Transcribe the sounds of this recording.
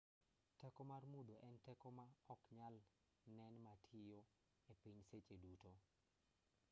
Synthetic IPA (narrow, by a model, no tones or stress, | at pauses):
tɛkɔmarmud̪oʔɛntɛkɔmaɔkɲal | nɛnmatʰɪjo | epiɲset͡ʃeduto